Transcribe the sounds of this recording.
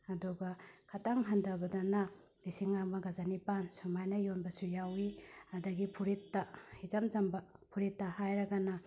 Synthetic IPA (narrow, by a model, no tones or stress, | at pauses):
ɐduɡɐkʰɐtaŋɦɐndɐbɐdɐnɐ | lisiŋamɐɡɐzanipansumajnɐjonbɐsujawiɐdɐɡipʰuɾitːɐhizɐmzɐmbɐpʰuɾitːɐhajɾɐɡɐnɐ